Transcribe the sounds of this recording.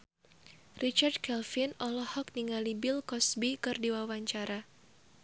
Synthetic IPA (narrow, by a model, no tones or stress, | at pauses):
rʔit͡ʃardkɛlfinɔlɔhɔk̚niŋalibɪlkɔsbikɨrdiwawaɲt͡ʃaɾa